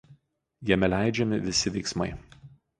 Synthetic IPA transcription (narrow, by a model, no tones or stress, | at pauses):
jiɛmʲɛlʲæˑɪd͡ʒʲɛmʲɪʋʲɪsʲɪʋʲɛɪksmɐɪ